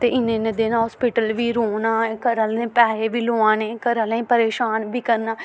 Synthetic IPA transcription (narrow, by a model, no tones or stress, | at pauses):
t̪eːʔɪnẽːned̪eːnɦɔːspɪʈəlʋiːɾoːnaːkəɾəlnẽːpɛːɾeːʋiːloːãːneːkəɾəlẽːpəɾeːʃaːnbiːkəɾnaː